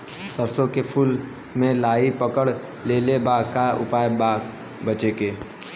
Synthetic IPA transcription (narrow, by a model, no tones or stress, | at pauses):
səɾsõkepʰuːl | mẽlaːipəkəɽ | leːlebaːɡkaʊ̰paːjbaːɡ | bət͡ʃekeː